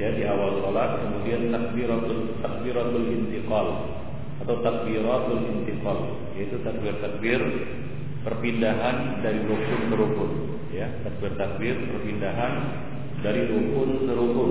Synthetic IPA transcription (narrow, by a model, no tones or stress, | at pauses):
jadiawalsɔlat̪̚kəmudiant̪ak̚biɾat̪ul | t̪ak̚biɾat̪ulɪnt̪iqɑl | at̪awt̪ak̚biɾat̪ulɪnt̪iqɔl | jait̪ut̪ak̚bɪrt̪ak̚bɪr | pərpindaɦan | daɾilok̚kʊnsəɾukʊn | jat̪ak̚bɪrt̪ak̚bɪrpərpindaɦan | daɾilukʊnsəɾukʊn